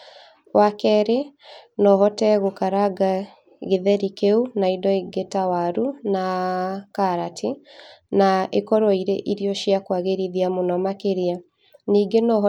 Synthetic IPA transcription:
wakɛɾenɔɦɔtɛɣokaɾaɡa | ɣeðɛɾikeunaidɔiɡetawaɾunakaɾatʰinaekɔɾɔiɾḛʔiɾiɔʃjakwaɣeɾiðiamonɔmakeɾia | niːɡenɔɦ

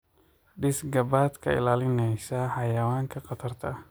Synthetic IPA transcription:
ɖɪsɡɐbaːd̪kʰɐ̰ɪ̰laːlɪnɛjsɐħɑjɐwaːŋkʰɐqɑt̪ʰɐrt̪ʰɐ

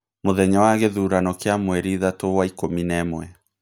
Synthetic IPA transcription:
moðɛɲɔwaɣeðuɾanɔkeamwɛɾiðatowaikominɛmwɛ

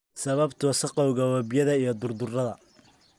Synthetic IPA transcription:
sɐβɐbt̪ʰʊsɐqɑʊɣɐwɐbjɐðɐijɞd̪ʊrd̪ʊrɐðɐ

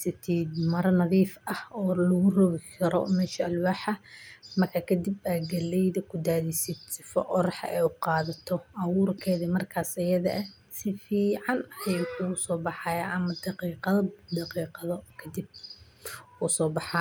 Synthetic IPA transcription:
sɐt̪ʰiːd̪mɐɾɐnɐðiːfɐhɔːlɐɣʊrɔɣɪkʰɐɾɔ̰mɛːʃɐɐlwaːħɐmɐrkʰaːkʰɐd̪ibaːɡɐlɛjðɐkʰʊd̪aːðisɪd̪sɪfɔ̰ʔɔɾħɐ̰ʔɛjʊqɑːðɐt̪ʰɔʔɐwʊːrkʰɛːðɐmɐrkʰaːsɐjɐðɐʔɛ | sɪfiːʕɑnɐjwħʰuʊsɔːbɑħɑːjɐʔɐmɐd̪ɑqiːqɑd̪ɑqiːqɑðɔkʰɐd̪ib̚ | ʊsɔːbɑħɑː

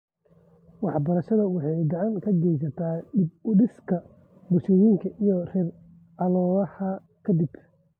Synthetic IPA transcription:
wɑħbɐɾɐʃɐðɐwɑħɑjd̪ɑʕɑŋkʰɐɡɛjs̬ɐt̪ʰaːɪb̚ʊɖɪskʰɐ | bʊʃɔjiŋkʰɐʔijɔrɛːr | ʕɑlɔːðɐhɐ | kʰɐd̪ɪb

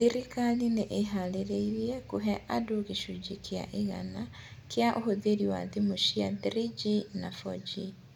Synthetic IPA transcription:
iɾikalineʔeɦaleɾeiɾjekuɦeʔadukiʃuɟikia̰ʔiɣa̰na | kjaʔohuðeɾiwaðimuʃijadɾiɟinafo̰ɟi

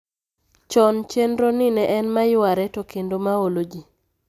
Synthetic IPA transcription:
t͡ʃɔnt͡ʃendɾonɪnɛʔɛnmajʊwaɾɛtokendomaolod͡ʒi

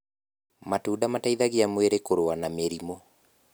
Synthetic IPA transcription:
matuːdamataiðaɣiamweɾekoɾoanameɾimo

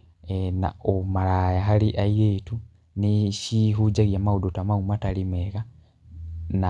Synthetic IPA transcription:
ena̰omalajaɦaliʔaiɣetu | niʃiɦud͡ʒaɣjamaudotamaumatalimeɣa | na

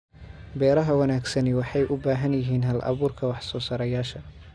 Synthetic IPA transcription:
bɛːɾɐɦɐwɐnaːɡsɐnɪwɑħɑjʔʊbaːɦɐnjɪɦiːnɦɐlʔɐ̰βuːrkʰɐwɑħsɔːsɐɾɛjaːʃɐ

